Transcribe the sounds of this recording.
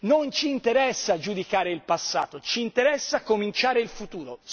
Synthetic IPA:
nont͡ʃiːnt̪eɾɛsːad͡ʒud̪ikaːɾeilpasːa̰ːt̪ot͡ʃiːnt̪eɾɛsːakːomint͡ʃaːɾeilfut̪uːɾo

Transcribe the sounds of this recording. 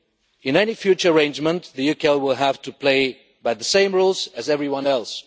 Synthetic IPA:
ɨ̃nɛnifjʉt͡ʃə˞əɹẽɪ̃nd͡ʒmə̃nðɨjukʰɛlˠwɪlˠɦæftɨpʰl̥eɪ | baɪðəsẽɪ̃mɹolˠzɨzɛvɹiwʌ̃nɛlˠs

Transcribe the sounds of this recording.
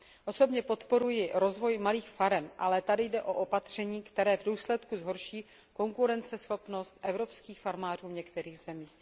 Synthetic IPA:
ʔo̞so̞bɲɛpo̞t̪po̞ɾujɪɾo̞zvo̞jmaliːxfaɾɛmʔalɛt̪adɪjdɛʔo̞ʔo̞pat̪r̝̥ɛɲiːkt̪ɛɾɛːvduːslɛt̪kuzɦo̞ɾʃiː | ko̞ŋkuɾɛnt͡sɛsxo̞pno̞st̪ʔɛvɾo̞pskiːxfaɾmaːr̝uːɲɛkt̪ɛɾiːɣz̥ɛmiːx

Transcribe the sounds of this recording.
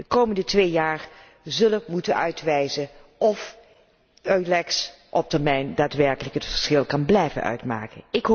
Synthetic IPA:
dəkowməndətʋeːjaːɹ | zɵləmutənœ̰ɥtʋɛjzəʔɔf | œɥlɛks | ʔɔp̚təɹmɛjndaːtʋɛɹkələkɦətfəɹsχɪlˠkɑnblɛjvə̰nʔœ̰ɥtma̰ːkənɪk

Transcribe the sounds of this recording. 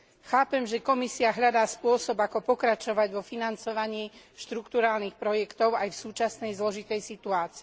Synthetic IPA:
xaːpɛmʒɛkɔmisiaɦʎad̪aːspʊɔsɔbakɔpɔkɾat͡ʃɔʋaɟʋɔfinant͡sɔʋaɲiː | ʃt̪ɾukt̪uɾaːlnixpɾɔjɛkt̪ɔʊajfsuːt͡ʃasnɛjzlɔʒit̪ɛjsit̪uaːt͡si

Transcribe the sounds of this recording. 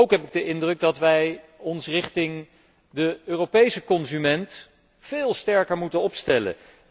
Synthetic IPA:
owkɦɛpɪɡ̚dəʔɪndrɵɡ̚dɑtʋɛjɔnsrɪχtɪŋ | dəøːrowpejsəkɔnzymɛnt | fɪːlˠstɛɹkəɹmutənɔpstɛlə̰

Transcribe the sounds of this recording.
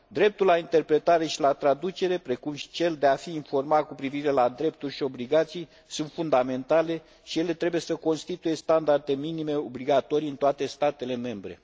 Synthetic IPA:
d̪ɾe̞p̚t̪ulaint̪e̞rpɾe̞t̪aɾe̞ʃilat̪ɾad̪ut͡ʃe̞ɾe̞pɾe̞kumʃi̥t͡ʃe̞ld̪e̞afiːnfo̞rmat̪̚kupɾiviɾe̞lad̪ɾe̞p̚t̪urʲʃio̞bliɡat̪sij | sunt̪fund̪ame̞nt̪ale̞ | ʃije̞le̞t̪ɾe̞buje̞səko̞nst̪it̪uje̞st̪and̪ard̪e̞minime̞o̞bliɡat̪o̞ɾiɨnt̪oat̪e̞st̪at̪e̞le̞me̞mbɾe̞̰

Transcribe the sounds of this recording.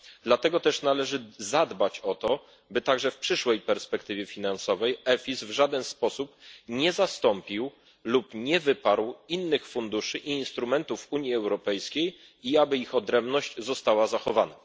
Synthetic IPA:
d̪lat̪ɛɡɔt̪ɛʂnalɛʐɘzad̪bat͡ɕɔt̪ɔ | bɘt̪aɡʐɛfpʂɘʂwɛjpɛɾspɛkt̪ɘvʲjɛfʲinansɔvɛjɛfʲizvʐad̪ɛnspɔsupɲɛzast̪ɔmpʲiw | lupɲɛvɘpaɾwinːɘxfund̪uʂɘʔiːnst̪ɾumɛnt̪ufuɲjiɛwɾɔpɛjskʲej | iabɘixɔd̪ɾɛmbnɔʑt͡ɕzɔst̪awazaxɔvana

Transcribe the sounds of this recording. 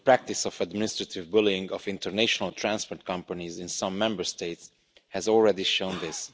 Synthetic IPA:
əpɹæk̚t̪isɔfæd̪mɪnɪst̪ɹət̪ʰɪvbʊlɪ̃ŋɡɔfɪ̃nt̪ʰəɹnæʃonəlt̪ʰɹæ̃nspoɹt̪̚kʰʌ̃mpənizɪ̃nsʌ̃mːɛ̃mbəɹst̪eɪt̪s | hɛzɔlˠɹɛd̪iʃõʊ̃nd̪ɪs

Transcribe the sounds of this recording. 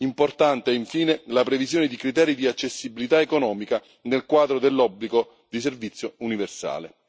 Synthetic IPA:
import̪ant̪eɛiɱfiːnelapɾevizjoːned̪ikɾit̪ɛːɾid̪iat͡ʃːesːibilit̪aekonɔːmika | nelkwaːd̪ɾod̪elːɔbːliɡo | d̪iservit̪sːjouniversa̰ːle

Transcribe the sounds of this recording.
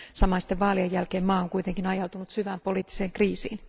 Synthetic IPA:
sɑmɑnsi̥t̪ːeʋʋɑːliɑjːælkeːmmɑːoŋkuit̪eŋkinɑjɑlt̪unut̪syʋæːmpo̞liːt̪ːi̥seːŋkriːsḭːn

